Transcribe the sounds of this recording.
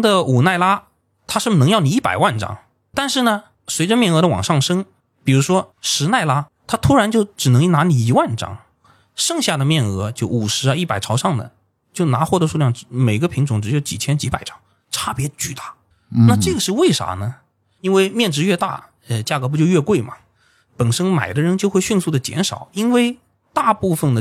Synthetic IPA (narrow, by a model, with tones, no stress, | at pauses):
d̪ə˨u˨˩na˥˩ɪla˥ | t̪ʰa˥ʂɻ̩˥˩nɤ˧˥ŋjɑ˥˩ʊni˨˩i˥˩pa˨˩ɪwa˥˩nʈ͡ʂɑ̰˥ŋ | t̪a˥˧nʂɻ̩˥˩nə˩ | swe˧˥ɪʈ͡ʂə˧mjɛ˥˩nɤ˧˥ɾə˧wɑ̰˨˩ŋʂɑ˥˩ŋʂɤ˥ŋ | pi˨˩ɻu˧˥ʂwɔ˥ʂɻ̩˧˥na˥˩ɪla˥t̪ʰa˥t̪ʰu˥ɻa˧˥nt͡ɕjo˥˩ʊʈ͡ʂɻ̩˨˩nɤ˧˥ŋi˥˩na˧˥ni˨˩i˧˥wa˥˩nʈ͡ʂɑ̰˥ŋ | ʂɤ˥˧ŋɕja˥˩d̪ə˩mjɛ˥˩nɤ˧˥t͡ɕjo˥˩ʊʔu˨˩ʂɻ̩˧˥˧i˥˩pa̰˨˩ɪʈ͡ʂʰɑ˧˥ʊʂɑ˥˩ŋd̪ə̰˩ | t͡ɕjo˥˩ʊna˧˥xwɔ˥˩d̪ə˧˥ʂu˥˧ljɑ˥˩ŋ˥me˨˩ɪɡə˧pʰi˧˥ŋʈ͡ʂʊ˧˥ŋʈ͡ʂɻ̩˧˥jo˥˩t͡ɕḭ˨˩t͡ɕʰjɛ˥nt͡ɕi˧˥pa̰˨˩ɪʈ͡ʂɑ̥˥ŋ | ʈ͡ʂʰa˥˩pjɛ˧˥t͡ɕy˥˩t̪a˥˩ | na˥˧ʈ͡ʂɤ˥˩ɡə˩ʂɻ̩˥˧we˥˩ɪʂa̰˧˥nə˧ | i˥nwe˥˧ɪmjɛ˥˩nʈ͡ʂɻ̩˧˥ɥɛ˥˧t̪a̰˥˩ | ə˧t͡ɕja˥˩kɤ˧˥p̬u˧˥t͡ɕjo˥˧ʊɥɛ˥˧kwe˥˩ɪmɐ̰˩ | pə˨˩nʂɤ˥ŋma̰˨˩ɪd̪ə˦ɻə˧˥nt͡ɕjo˥˧ʊxwe˥˧ɪɕy˥˧nsu˥˩d̪ə˩t͡ɕjɛ̰˧˥nʂɑ̰˨˩˦ʊi˥nwe˥˧ɪ | t̪a˥˧pu˥˩fə˨˩nd̪ə˩